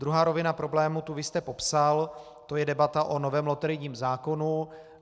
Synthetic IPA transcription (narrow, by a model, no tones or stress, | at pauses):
d̪ɾuɦaːɾovɪnapɾo̞blɛːmut̪uvɪst̪ɛpo̞psal | t̪o̞jɛdɛbat̪aʔonovɛːmlot̪ɛɾɪɲiːmzaːko̞nu